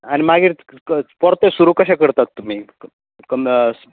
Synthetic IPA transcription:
añimaɡʱiːɾ | pɔɾt̪esuɾukəɕakəɾt̪at̪ːum̤iː | kəm

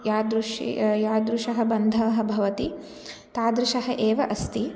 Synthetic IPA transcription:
jaːd̪ɾuʂjaːd̪ɾuʂɐɦɐbɐnd̪ʱɐʋɐɦɐ̆bʱɐʋɐt̪i | t̪aːd̪ɾuʃɐɦɐʔeːʋɐʔɐst̪i

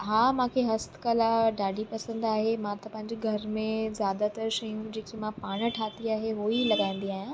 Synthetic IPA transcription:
ɦaːmãkʰeɦɐst̪kɐlaɖaːɖipɐsə̃nd̪aːɦemãt̪ɐpɐ̃ɦɪ̃ɲd͡ʑeɡʱɐɾmẽzjaːd̪at̪ɐɾʃɐjũd͡ʑeːkimãpaːɽ̃ə̆ʈʰaːt̪iaːɦeɦoːilɐɡãːĩn̆d̪iaːɦjã

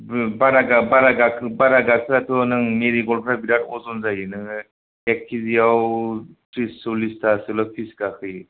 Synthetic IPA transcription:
baɾaɡabaɾaɡakʰbaɾaɡakʰɯɾatʰɔnɯŋmeɾiɡɔlpʰɾabiɾatɔzɔnzajɯnɯŋ | ekʰːizijaw | tɾisːolistʰasɯlɔpʰisɡakʰɯj

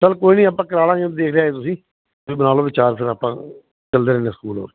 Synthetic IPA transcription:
səlkoːiːnĩːaːpːãːkəɾaːlãːd͡ʒẽd̪eːkʰɾeaːɦeːt̪ʊsĩː | ʋiːbənaːloːbɪt͡ʃaːɾpʰɪɾaːpãː | t͡ʃəld̪eːɾɛ̃ːneːsəkuːlo̰ːɾe

